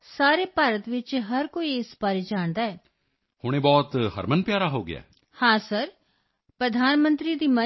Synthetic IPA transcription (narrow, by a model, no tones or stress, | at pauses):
saːɾeːpaːɾət̪ʋɪt͡ʃɦəɾkoːiɪsbaːɾeːd͡ʒaːɳd̪aːɛː | hʊɽ̃ẽːbɔːt̪ɦə̰ɾmənpjaːɾaɦoːɡɪ̰a̰ː | hãːsəɾ | pɾəd̪ʱaːnmə̃nt̪ɾiːd̪iːmə